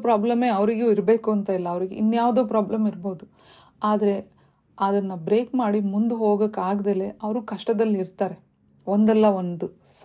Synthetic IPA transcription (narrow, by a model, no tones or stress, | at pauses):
pɾaːblɐme̞ːɐʋɾiɡuːiɾbe̞ːkuɐnt̪ɐilːɐːʋɾiɡeḭnːujaːʋɐd̪oːpɾaːblɐmiɾboːd̪u | aːd̪ɐɾe̞ | ɐd̪ɐnːɐbɾe̞ːkmaːɽimund̪uɦo̞ːɡɐkːaːɡd̪eːle̞ʔɐʋɐɾukɐʂʈɐd̪ɐlːiːɾt̪aːɾe̞ | ond̪ɛlːɐo̞nd̪us